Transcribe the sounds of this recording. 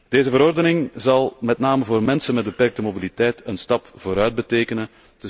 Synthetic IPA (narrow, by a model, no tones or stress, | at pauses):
d̥eːzəvəɾɔrdənɪŋzɑlˠmɛtnaːməvoːrmɛnsənmɛd̚bəpɛrk̚təmobilitɛjtənstɑpvoːɾœɥd̚bəteːkənən | tə